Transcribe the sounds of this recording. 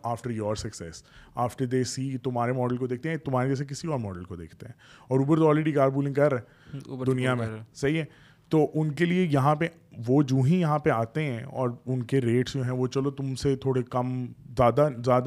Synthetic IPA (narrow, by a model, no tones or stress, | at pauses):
aːfʈəɾjɔːɾsɐksɛsaːfʈəɾd̪eːsiːt̪ʊmɦaːɾemɔːɖəlkod̪eːk̚t̪eɦɛ̃t̪ʊmɦaːɾed͡ʒɛːs̬ek̬ɪsiɔːɾmɔːɖəlkod̪ḛːkʰt̪eɦɛ̃ːɔːɾuːbəɾt̪oɔːlɾeːɖikaːɾbuːlɪ̃ŋkɐɾːɦɛ | d̪ʊnijamẽsɐɦiɦɛ | t̪oːʔʊnkeliejɐɦãpe | ʋoːd͡ʒũːɦĩjɐɦãpeaːt̪eɦɛ̃ɔ̰ːɾʊnkeɾeːʈsd͡ʒoːɦɛ̃ʋot͡ʃɐlot̪ʊmset̪ʰoːɽekɐmzjaːd̪azjaːd̪